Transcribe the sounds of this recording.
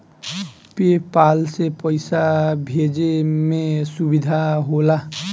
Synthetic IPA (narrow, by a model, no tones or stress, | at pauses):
pepalsepɔjsabʱed͡ʒemesubid̪ʱaɦola